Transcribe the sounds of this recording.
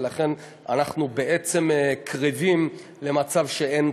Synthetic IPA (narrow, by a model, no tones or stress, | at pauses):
laχe̞n | anaχnube̞ʔet͡se̞mkʰʁivim | le̞mat͡savʃeen